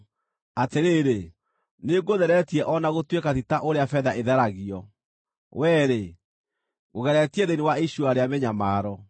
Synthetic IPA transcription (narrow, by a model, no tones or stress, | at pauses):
ateɾeːɾe | neɡoðɛɾɛtiɛʔɔnaɣotwekatitaʔoɾeafɛðaʔeðɛɾaɣiɔ | wɛːɾe | ɣoɣɛɾɛtiɛðeniwaiɕuaɾeameɲamaːɾɔ